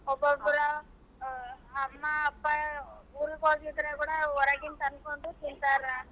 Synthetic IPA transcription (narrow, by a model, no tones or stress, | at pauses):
ɔbːɐbuɾɐ | mːɐːpːɐuːɾukoːɡid̪ɐɾekuːɽɐɔɾɐɡint̪ɐnkoɳʈut̪int̪aːɾaː